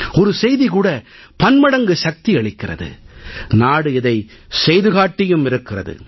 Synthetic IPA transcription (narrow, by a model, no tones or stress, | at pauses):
ɔɾɯsɛjðikuːɽɐ | pɐnmɐɽɐŋɡɯʃɐk̚t̪iɐɭɪkːɪrɐ̰ðɯ̰naːɽɯɪðɐɪsɛjðɯɣaːʈːɪjɯmɪɾɯkːɪrɐðɯ̰